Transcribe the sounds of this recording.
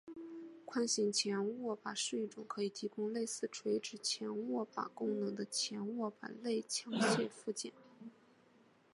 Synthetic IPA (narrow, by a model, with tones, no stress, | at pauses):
kʰwa˥˩nɕi˧˩ŋt͡ɕʰjɛ˧˥nwɔ˥˩pa˨˩ʂɻ̩˥˧i˥˩ʈ͡ʂʊ˨˩ŋkʰɤ˧˥i˨˩t̪ʰi˧˥kʊ˥ŋle˥˧ɪsɹ̩˥˩ʈ͡ʂʰwe˧˥ɪʈ͡ʂɻ̩˨˩t͡ɕʰjɛ˧˥nwɔ˥˩pa̰˨˩kʊ˥ŋnɤ˧˥ŋd̪ə˧t͡ɕʰjɛ˧˥nwɔ˥˩pa̰˨˩nle˥˩ɪt͡ɕʰjɑ˧˥ŋt͡ɕʰjɛ˥˧fu˥˩t͡ɕjɛ̰˨˩˦n